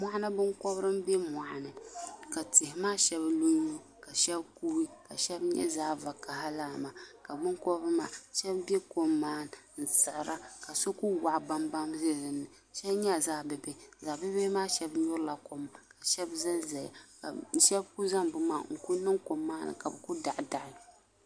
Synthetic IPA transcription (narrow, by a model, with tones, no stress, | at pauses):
mʷa˦a˦nɨ˦bɨ˦ŋkɔ˦bɾɨ˦m˦bɛ˦ma˨ʔa˨nɨ˨ka˨tɪ˨hɪ˨maː˦ʃɛ˦blo˦ɲu˦ | ka˨ʃɛ˦bku˦i˦ka˨ʃɛ˦bɲɛ̰˦zaː˦va˨ka˨ɦa˦laː˦˨ma˨ka˨bɨ˦ŋkɔ˦bɾɨ˦maː˨ʃɛ˦bbɛ˦ko˦mːaː˦n˨n̩˨sɨ˨ʔɾa˦ka˨so˦ku˦wa˨ʔba˦mba˦mze˦˨ɾɨ˨nːɨ˨ | ʃɛ˦bɲɛ˦˨zaː˦bɨ˨be˦˨zaː˨bɨ˦be˦maː˦ʃɛ˦bjʊ˦ɾla˨ko˨mka˨ʃɛ˦bzɨ˦nzɛ˨ja̰˨a˨n̩˦ʃɛ˦bku˦za˦mbʊ˦maː˨˦˨ŋ̩˨ku˦nɨ˦ŋko˨mːaː˦nɨ̰˨ka˨bku˦da˨ʔda˨ʔɨ˦